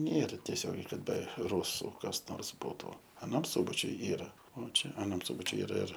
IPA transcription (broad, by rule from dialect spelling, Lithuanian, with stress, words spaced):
ˈnʲeːrɐ tʲɛˈsʲoːɡʲɛɪ kɐt bʲɛ ˈruːsʊ kɐs ˈnoːrs ˈbuːtʊ ɐˈnɐm ˈsʊbɐt͡ʃʲʊj ˈiːrɐ oː ˈt͡ʃʲɛ ɐˈnɐm ˈsuːbɐt͡ʃʲʊj ɪˈrɐ ɪr